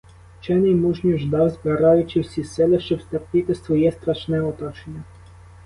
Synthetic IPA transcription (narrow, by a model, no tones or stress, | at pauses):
t͡ʃɛnɛjmuʒnʲiʒd̪ɑwzbɪɾɑjʊt͡ʃɪwsʲisɛlˠɛʃt͡ʃɔbst̪ɐp̚nʲɪt̪ɪsʋɔjɛst̪ɾɐʃnɛɔt̪ɔt͡ʃenʲːɐ